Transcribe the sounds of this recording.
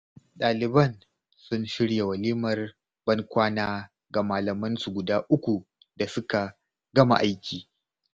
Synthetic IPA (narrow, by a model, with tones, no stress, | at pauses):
ɗaː˨lɪ˨bɐ˦˨n | sʊ˦nʃɪ˦ɽja˨wɐ˨liː˦mɐ˨r | b̥ɐ˦ŋkʷaː˦naː˦ | ɡa˨maː˨lɐ˨mɐ˦nsu˨ɡʷʊ˨daː˦ʔʊ˦kʷu˨ | da˨sʊ˦ka˨ | ɡɐ˦ma̰˨ʔa˦jkʲʰiː˨